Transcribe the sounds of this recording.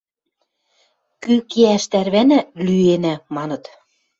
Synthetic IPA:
kykeæʃt̪æɾβænælyenæmɑnɤ̆t̪

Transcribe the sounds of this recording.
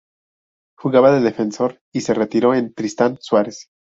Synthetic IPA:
xuɣaβaðeðe̞fe̞nso̞ɾ | ise̞ret̪iɾo̞e̞nt̪ɾist̪answaɾes

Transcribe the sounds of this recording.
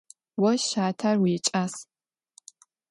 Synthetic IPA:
wɔʃaːtʰarwiːt͡ʃʼas

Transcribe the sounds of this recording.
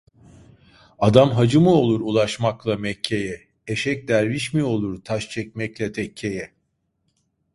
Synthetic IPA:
ad̪amɦad͡ʒɯmɯo̞lˠuɾulˠaʃmaklˠamɛcʰːe̞jɛ | eʃɛc̚d̪æɾviʃmio̞lˠuɾt̪ʰaʃt͡ʃʰɛc̚mɛclʲɛt̪ʰɛcʰːejɛ

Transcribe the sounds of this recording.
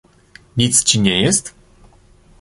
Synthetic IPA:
ɲit̪st͡ɕiɲɛjɛst̪

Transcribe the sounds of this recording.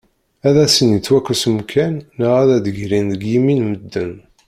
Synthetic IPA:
æðæsənjit͡sːwækːusmkʰænːəʁæðæd̪əʝɾinðəɡjiminməd̪ːən

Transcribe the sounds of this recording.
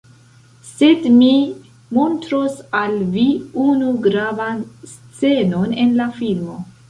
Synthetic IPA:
se̞dmi | montɾosalviunuɡɾavans | t͡se̞no̞ne̞nlafilmo̞

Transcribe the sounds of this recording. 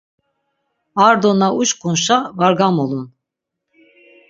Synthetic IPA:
aɾd̪onauʃkʰunʃavaɾɡamolˠun

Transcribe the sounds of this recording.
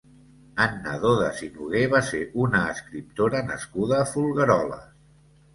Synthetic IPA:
ənːə̰ðoðə̰sinuɣ̞eβaseʔunəːskɾip̚t̪oɾənə̰skuðəːfulˠɣəɾɔlə̰s

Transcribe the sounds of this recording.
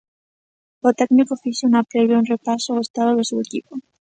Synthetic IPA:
ot̪eknikofisounapɾeβjaunrepasoɣest̪aðoðesuekipo

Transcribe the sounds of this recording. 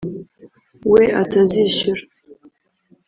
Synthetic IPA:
wia̰tʰazizʃɪr

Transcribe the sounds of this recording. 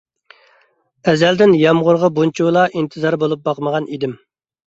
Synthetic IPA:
ɛzɛld̪ɪnjɑmʁʊɾʁɑbunt͡ʃʰulˠɑʔint̪ʰɨzɑɾbolˠup̚bɑqməʁɑnid̪ɪm

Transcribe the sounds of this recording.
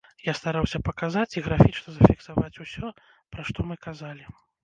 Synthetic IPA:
jast̪aɾawsʲɐpɐkazat͡sʲiɣɾafʲit͡ʂnɐzɐfʲiksavat͡sʲusʲɔ | pɾaʂt̪ɔmɨkazalʲi

